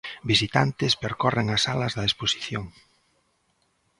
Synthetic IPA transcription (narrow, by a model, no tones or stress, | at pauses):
bisit̪ant̪ɪspeɾkɔreŋɐsalɐzðɐesposi̥θjoŋ